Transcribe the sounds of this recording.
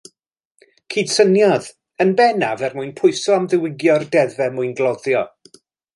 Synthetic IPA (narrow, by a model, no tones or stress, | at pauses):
kʰiːd̥sənjɔð | ənbɛnavɛrmuɨnpʰʊɨsɔamðɪwɪɡjɔrdɛðɛmuɨnɡlˠɔðjɔ